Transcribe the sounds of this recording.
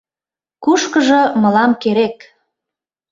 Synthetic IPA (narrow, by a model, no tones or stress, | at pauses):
kuʃkəʒɤ̆mɤ̆lɑmkeɾek